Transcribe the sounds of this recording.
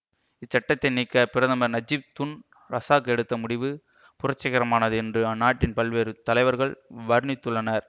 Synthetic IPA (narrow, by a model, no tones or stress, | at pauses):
ɪt͡ʃːɐʈːɐt̪ːɐɪniːkːɐpɪɾɐðɐmɐɾnɐd͡ʒɪb̚t̪ʊn | ɾɐsaːkɛɽɯt̪ːɐmʊɽɪʋɯ | pʊrɐt͡ʃːɐɣɐɾɐmaːnɐðɯɛndrɯɐnːaːʈːɪnpɐlʋeːɾɯt̪ːɐlɐɪʋɐɾɣɐɭʋɐɾɯnɪt̪ːɯɭːɐnɐɾ